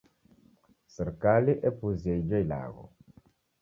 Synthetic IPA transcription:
sɛɾkaliʔɛpuziejd͡ʒejla̰ɣo̰

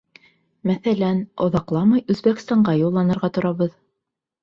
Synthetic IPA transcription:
mæθælænŏðɑqlˠɑmɑjʉzbæk̆st̪ɑɴɢɑjulˠːɑnɤ̆ɾʁɑt̪ŏɾɑβɤð

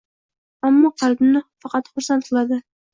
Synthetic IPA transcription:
amːɒqʰɑlbɪnɪfɑqɑt̪χʊɾsant̪qʰɨlˠad̪ɪ

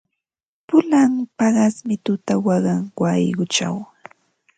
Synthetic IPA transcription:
pʊlaŋpɑɢɑsmɪt̪ʊt̪awɑɢɑŋwɑjɢʊt͡ʃa̰w

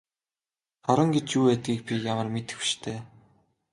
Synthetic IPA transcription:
χɔɾə̆ŋɡet͡ɕuːweːt̪̚ɡiːk̚pʲijamə̆rmet̪ɘ̥̆xi̥ʃt̪ʰeː

